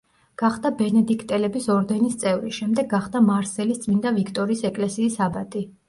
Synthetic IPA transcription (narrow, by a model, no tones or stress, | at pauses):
ɡ̥aχd̪abɛnɛd̪ikʰʼt̪ʼɛlɛbisɔɾd̪ɛnist̪sʼɛvɾiʃɛmd̪ɛɡːaχd̪amaɾsɛlist̪sʼmind̪avikʰt̪ʼɔɾiːsɛkʼlɛsiːsabat̪ʼi